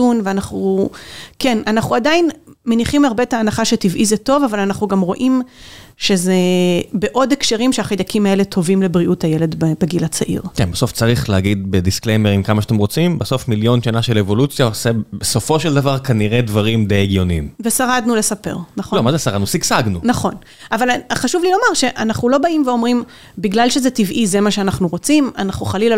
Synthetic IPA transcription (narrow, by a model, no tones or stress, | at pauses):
unveanaχu | ke̞nanaχuadainmeniχimaʁbetaːnaχaʃetivʔizeto̞vavalanaχnuɡamʁo̞ʔimʃe̞ze̞be̞ʔo̞dekʃeʁimʃeaχid̪akimae̞letʰo̞vimlebʁiʔuthajele̞d̪bebeɡilat͡saʔḭʁkenbaso̞ft͡saʁiχleaɡid̪̚bedisklejmeʁimkamaʃat̪emʁo̞t͡simbeso̞fmiljo̞nʃanaʃelevo̞lut͡sjaosebeso̞fo̞ʃeld̪avaʁkaniʁed̪vaʁimd̪ejeɡjo̞nimvesaʁad̪nule̞sape̞̰ʁnaχolomazesaʁad̪nusiksaɡnunaχo̞n | avalχaʃuvlilo̞maʁʃe̞ʔanaχnulo̞baʔimveo̞mʁim | biɡlalʃe̞zetivʔizemaʃeanaχnuʁo̞t͡simanaχnuχalil